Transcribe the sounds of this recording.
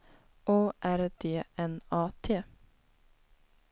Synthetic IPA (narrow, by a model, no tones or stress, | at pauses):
ʔoːʔæɾd̪eːʔɛnɑːt̪ʰeː